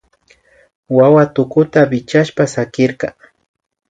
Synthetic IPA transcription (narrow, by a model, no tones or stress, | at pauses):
wawat̪ʊkʊt̪abɪt͡ʃaʃpasakɪɾkɑ